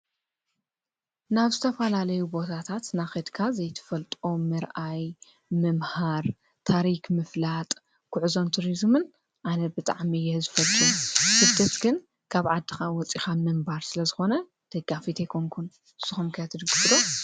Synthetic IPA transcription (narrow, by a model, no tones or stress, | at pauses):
naβzɨt̪ʰɐfɐlalɐjubo̞t̪ʰat̪ʰat̪naxɐd̪kʰazɐjt̪ʰɨ̥fɐlt̪ʼo̞mɨɾʔaj | mɨmhaɾ | t̪ʰaɾikmɨflat̪ʼ | kʰʊʕɨzo̞mt̪ʰuɾizmɨn | ʔanɐbɨt̪ʼaʕmijɛzɨfɐlt̪ʼosɨd̪ɐt̪ɡɨn | kʰaβʕad̪ːɨxawɔt͡sʼixamɨmbaɾsɨlɐzɨxo̞nɐ | d̪̥ɐɡːafit̪ʰejkʰoŋkʰun | ɨsːɨxumkʰɨjat̪ʰːɨd̪ɨɡɨfɨd̪o